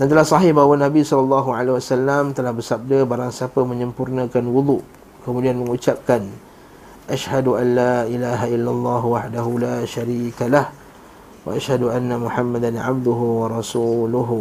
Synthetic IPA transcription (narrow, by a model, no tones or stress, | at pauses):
dant̪əlahsaɦibawanabisɔlalˤːɑɦuʕalewasalːamt̪əlahbəsap̚dəbaɾaŋsiapəmə̃ɲəmpurnə̃kanwud̪uʔ | kəmũdianməŋut͡ʃap̚kan | ʔaʃhaduʔanːaːʔilaːɦailːalˤːɑːɦuwaħdaɦulaːʃaɾiːkalah | wa̰ʔaʃhaduʔanːamuħamːad̪anʕa̰b̚d̪uɦuwaɾɑsuːlʊɦ